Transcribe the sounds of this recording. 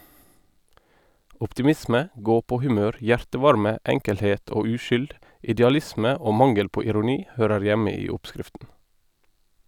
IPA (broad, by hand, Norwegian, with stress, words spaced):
ʔɔptɪˈmɪsmə ˈɡoːpoːhʉˌmøːɾ ˈjæɹtəˌʋɑɾmə ˈɛŋkəlheːt ˈoː ˈʉːʃʏld ɪdɛɑˈlɪsmə ˈoː ˈmɑŋəl ˈpoː ɪɾʊˈniː ˈhøːɾəɹ ˈjæmə ˈiː ˈɔpˌskɾɪftn̩